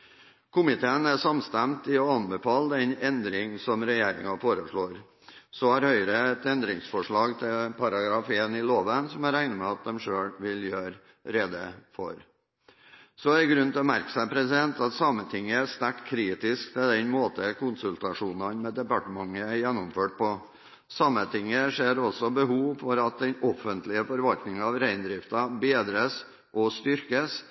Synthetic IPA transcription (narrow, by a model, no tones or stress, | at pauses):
kʰʊmɪt̪ʰeːənæsɑmst̪æmt̪ɪɔɑnbɛfɑːləd̪ɛnɛnd̪ɾɪŋsɔmɾɛjeːɾɪ̰ŋɑfoːɾəʂɭoːɾ | sɔhæɾhœʏɾəɛt̪ɛnd̪ɾɪŋsfɔʂɭɑːɡt̪ʰɪlpʰɑɾɑɡɾɑfeːnɪloːʋənsɔmæɾæɪnəmɛɑt̪̚d̪ɛmʂøːɽʋɪljøːɾ | ɾeːd̪əfɔ̰ɾ | sɔæɾɡɾʉnt̪ʰɪlɔmæ̰ɾkə̥sæɪpʰɾɛsɪd̪ɛnt̪ɑt̪sɑmːət̪ʰɪŋːəæst̪æʈkʰːɾiːt̪ɪskt̪ʰɪld̪ɛnmoːt̪əkʊnsʉlt̪ɑʂuːnɑnmɛd̪ɛpɑʈəmɑŋːəæɾjɛnːɔmføːʈ̚pɔ | sɑmət̪ʰɪŋːəʂeːɾɔsɔbəhuːʋfɔɾɑt̪̚d̪ɛnɔfənt̪lɪəfɔɾʋɑlknɪŋɑʋɾæɪnd̪ɾɪft̪ɑbeːd̪ɾəs | ʔɔst̪ʏɾkəs